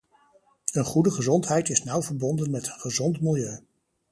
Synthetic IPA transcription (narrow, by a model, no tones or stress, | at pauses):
ənχudəχəzɔntɦɛjtɪsnʌwvəɹbɔndənmɛtənχəzɔntmɪlˠjøɥ